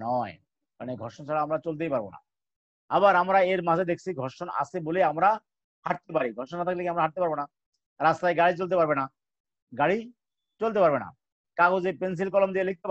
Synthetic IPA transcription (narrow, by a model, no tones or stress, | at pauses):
nɔe | ka̰neɡʱɔɾʃont͡ɕʰaɽaamɾat͡ɕolt̪ejpaɾbona̰ | abaɾamɾaeɾmad͡ʑʱed̪ekʰt͡ɕʰiɡʱɔɾʃona̰seboleamɾa | haʈ̚t̪epaɾiɡʱɔɾʃonat̪ʰaklekiamɾaɦaʈ̚t̪epaɾbona | ɾast̪ajɡaɽit͡ɕolt̪epaɾbena | ɡaɽi | t͡ɕolt̪̬epaɾbena̰ | kaɡod͡ʑepens̬ilkɔlomd̪ielek̚t̪ep